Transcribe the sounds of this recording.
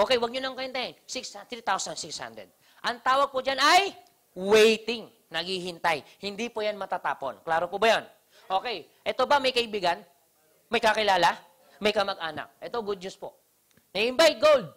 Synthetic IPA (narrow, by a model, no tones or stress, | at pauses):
ʔo̞ːkɛjwɐɡ̚ɲʊnɐŋkɐhɪnt̪ahɪnsɪksat̪ɾit̪awsɐnsɪksha̰nd̪ɾɛ̰d̪̚ | ʔɐŋt̪aːwɐɡ̚pʊd͡ʒanɐj | wejt̪ɪŋ | nɐɡihɪnt̪ajhɪnd̪ipʊjanmɐt̪at̪aːpo̰nklaːɾopʊbɐjon | ʔo̞ːkɛj | ʔɛt̪obɐmɐjkɐʔɪbiːɡɐn | mɐjkɐkɪlaːlɐ | mɐjkɐmɐɡʔaːna̰k̚ʔɛt̪oɡʊd̪̚ɲuspo | nɐɪnbajt̪̚ɡold̪̚